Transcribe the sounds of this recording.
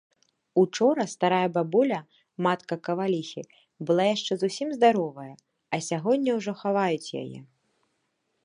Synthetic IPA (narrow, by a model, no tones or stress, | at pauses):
ut͡ʂɔɾɐst̪aɾajɐbabulʲɐ | mat̪kɐkɐvalʲixʲi | bɨlˠajaʂt͡ʂɛzusʲimzd̪aɾɔvɐjɐ | ɐsʲaɣɔdʲnʲːɐwʐɔxavajut͡sʲja̰jɛ̰